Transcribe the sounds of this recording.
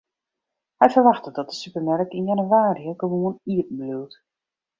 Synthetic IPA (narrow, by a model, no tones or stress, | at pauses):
hɛjfərʋaxtədɔt̚dəsypərmɛrkɪnjanywaːɾiəɡəʋoəniətn̩blywt